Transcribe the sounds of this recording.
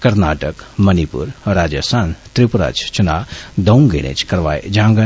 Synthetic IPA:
kɐɾnaːʈəkmənipṵɾɾaːd͡ʒəsant̪ɾipuɾa̰t͡ʃʰt͡ʃʰunad̪ɐwŋɡḛɽḛt͡ʃʰkɐɾʋa̰jd͡ʒãŋɡə

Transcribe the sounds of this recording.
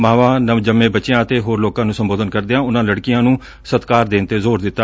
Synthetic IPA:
maːʋãːnəʋd͡ʒəmːẽːbətːʃɪjãːət̪eːɦoːɾloːkãːnũːsəmboːd̪ənkəɾd̪eːãːʊnãːləɽkɪjãːnũː | sət̪kaːɾd̪eːnt̪eːzoːɾd̪ɪt̪ːaː

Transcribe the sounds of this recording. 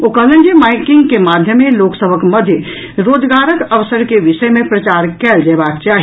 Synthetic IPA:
okələ̃nd͡ʒimaɪkɪ̃ŋɡkemad̪ʱjəmːẽloːksəbʱəkməd̪ʱjə | ɾoːd͡ʒɡaːɾəkəʋsəɾkeʋɪʃəjmẽpɾɐt͡ʃaːɾkɛːld͡ʒeːbakt͡ʃaːɦi

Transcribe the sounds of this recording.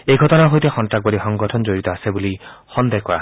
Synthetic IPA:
ejɡʱɔtɔnaɦojt̪exɔntak̚bɔlixɔŋɡɔtʰɔnd͡ʒoɹit̪ɔasebulixɔnd̪ekɔɹa̰

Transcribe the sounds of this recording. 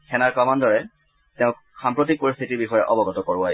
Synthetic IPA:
kʰɛnaɹkɔmandɔɹɛ | tɛʊ̃ | xampɹɔtik̚poɹist̪ʰitiɹbixɔjɛʔɔbɔɡɔtɔkɔɹa

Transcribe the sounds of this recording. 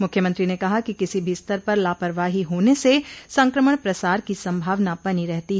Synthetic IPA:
mʊkʰjəmə̃nt̪ɾinekɐɦakikɪsibʱist̪əɾpɐɾlaːpəɾʋaːɦiɦoːnesesɐ̃ŋkɾəməɽ̃pɾɐsaːɾkisɐ̃mbʱaːʋnabɐniɾɛɦt̪iɦ

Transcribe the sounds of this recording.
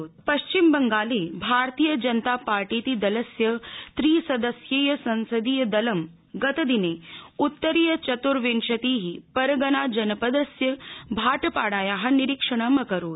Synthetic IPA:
oːt̪̚pɐʃt͡ʃimbɐŋɡaːleːbʱaːɾt̪iːjəd͡ʒɐnt̪aːpaːɾʈiːt̪id̪ɐlɐsjɐt̪ɾiːsɐd̪əsjeːjɐsɐ̃nsɐd̪ijɐd̪ɐlɐm | ɡɐt̪ɐd̪ineːut̪ːəɾijɐt͡ʃɐt̪uɾʋenʃɐt̪iːɦipɐɾɡɐnaːd͡ʒɐnɐpɐd̪əsjɐbʱaːʈpaːɽaːjaːɦɐniɾikʂɐɳ̃ɐmɐkɐɾoːt̪

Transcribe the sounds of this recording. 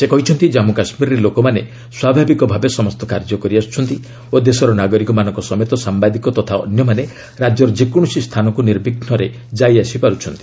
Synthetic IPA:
sekɔɦit͡ʃʰɔnt̪id͡ʒamukasmiɾɔɾelokɔmane | swabʱabikɔbʱabesɔmɔst̪ɔka̰ɾd͡ʒɔkɔɾiast͡ʃʰɔnt̪i | od̪esɔɾɔnaɡɔɾikɔmanɔ̃ŋkɔsɔmet̪ɔsambad̪ikɔt̪ɔt̪ʰaɔ̰njɔmane | ɾad͡ʒɔɾɔd͡ʒikuɽ̃usist̪ʰanɔkuniɾbʱiɡnɔɾe | d͡ʒajasipaɾut͡ʃʰɔnt̪i̥

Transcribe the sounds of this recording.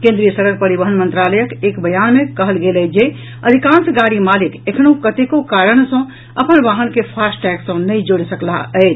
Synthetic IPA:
kẽnd̪ɾijəsəɾəɾpəɾibəɦənmənt̪ɾaləjəkekbəjanmekəɦəlɡelɛd͡ʒe | əd̪ʱikãnsɡaɽimalikekʰnũkət̪ekokaɾəɳ̃sə̃ | əpənʋaɦənkepʰasʈɛksə̃nəid͡ʒoɽsəklaəɪt͡ʃ

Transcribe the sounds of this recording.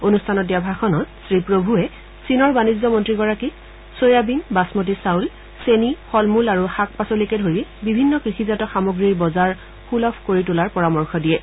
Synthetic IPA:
onustʰanɔt̚diabʱaxɔnɔtsɹipɹobʱuɛ | sinɔɹbanizɔmɔntɹiɡɔɹaki | sojabinbasmot̬isawl | senixɔlmulaɹuxak̚pasolikɛdʱoɹibibʱinːɔkɹixizatɔxamoɡɹiɹbɔzaɹ | xulɔpʰkoɹitʊlaɹpɔɹamɔɹxʰɔdijɛ

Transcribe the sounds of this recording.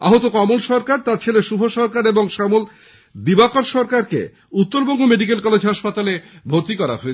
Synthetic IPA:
aɦot̪okɔmolʃɔɾkaɾt̪aɾt͡ɕʰeleʃubʱoʃɔɾkaɾeboŋʃamol | d̪ibakoɾʃɔɾkaɾkḛ | ut̪ːoɾbɔŋɡumeɖik̬elkɔled͡ʑʱɦaʃpat̪alebʱoɾt̪ikɔɾa̰ɦo

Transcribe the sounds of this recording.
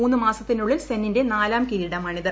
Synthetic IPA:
uːnːɨmaːsɐt̪ːinuɭːilsenːinde̞naːlaːmkiɾiɽɐmɐɳiðɐ

